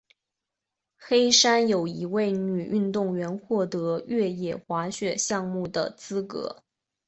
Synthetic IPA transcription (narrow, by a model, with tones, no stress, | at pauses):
xe˥ɪʂa˥njo˨˩ʊi˧˥we˥˩ɪny˨˩ʔy˥˧nt̪ʊ˥˩ŋɥɛ˧˥nxwɔ˥˩t̪ɤ˧˥ɥɛ˥˩jɛ˨˩xwa˧˥ɕɥɛ˨˩ɕjɑ˥˧ŋmu˥˩d̪ə̰˩t͡sɹ̩˥kɤ̰˧˥